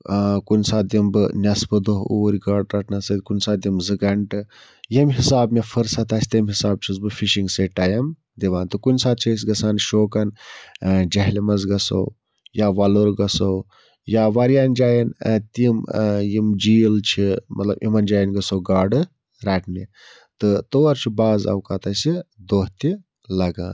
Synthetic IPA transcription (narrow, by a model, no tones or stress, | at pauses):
kunʲsaːd̪imbɨnʲɐsbɨd̪oɦoːɾʲɡaːɖɾɐʈʰnɐsɐt̪ʲkunsaːd̪imzɨɡɐɳʈɨ | jimɦisaːbmʲefʰɨɾsɐt̪aːsʲt̪ɐmɦisaːb̚t͡ʃʰizbɨfiʃiŋɡseʈajɐm | d̪iʋaːnt̪ɨkunsaːt̪̚t͡ʃʰɐs̬ʲɡɐsaːnʃoːkɐn | d͡ʒɐɦlimɐzɡɐso̰w | jaːʋɐluɾɡɐsow | jaːʋɐɾjaːnd͡ʒaːjɐnt̪imjimd͡ʒiːlt͡ʃʰimʔɐ̰t̪lɐ̰bʔḭmɐnd͡ʒaːjɐnɡɐsowɡaːɖɨ | ɾaːʈʰni | t̪ɨt̪oːɐɾt͡ʃʰibaːzɐ̰wkat̪aːsid̪oːɦt̪i | lɐɡã̰ːn